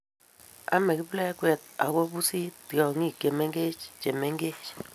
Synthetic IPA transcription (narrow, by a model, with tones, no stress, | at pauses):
a̰˦mɛ˨ki˦blɛ˦kwɛ˨t̪̚a̰˨ko˦bu˦si˦tɔ˨ŋi˦˨ke˨me˦ŋɡe˦t͡ʃt͡ʃe˨me˦ŋɡe˦t͡ʃ